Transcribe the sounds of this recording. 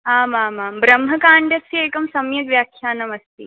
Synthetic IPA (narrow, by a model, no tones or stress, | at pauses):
ɦaːmaːmaːmbɾɐmɦɐkaːɳɖjɐkieːkɐmsɐmjɐkʋjaːkʰjaːnɐmɐst̪ḭː